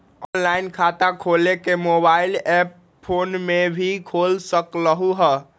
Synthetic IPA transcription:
ɔnlainkʰat̪ãkʰolekemobailɛpːʰ | onmebʱikʰolsəkləɦuɦə

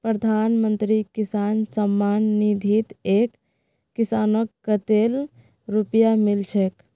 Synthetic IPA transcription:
pɾəd̪ʱanmənt̪ɾikisansəmːanːid̪ʱit̪ekː | isanəkːət̪el | ɾupjamilt͡ʃʰɛk

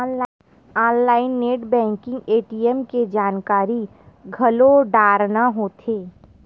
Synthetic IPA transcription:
aːnlaːɪnːeːʈbɛ̃ːŋkɪ̃ŋɡeːʈiɛmked͡ʒaːnkaːɾi | ɡʱɐloɖaːɾnaɦoːt̪ʰeː

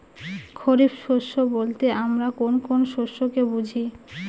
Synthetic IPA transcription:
kʰoɾipʃoʃːobolt̪eʔamɾakonkonʃoʃːokebud͡ʑʱi

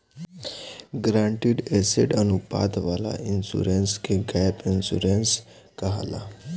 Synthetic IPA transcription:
ɡɾãɳʈiɽeseɖənupa̰d̪ʋala̰insṵɾenskeɡɛpinsuɾens | kəɦa̰la̰

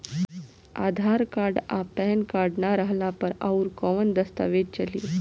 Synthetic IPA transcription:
a̰d̪ʱaɾkaɾɖapɛnkaɾɖnaɾəɦlapəɾa̰uɾkɔʋənd̪əst̪a̰ʋedt͡ɕəli

